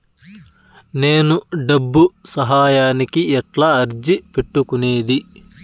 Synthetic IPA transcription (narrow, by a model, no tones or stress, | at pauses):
neːnuɖɐbːusɐɦaːjaːnikiɛʈlɐɐɾd͡ʒipeʈːukuneːd̪i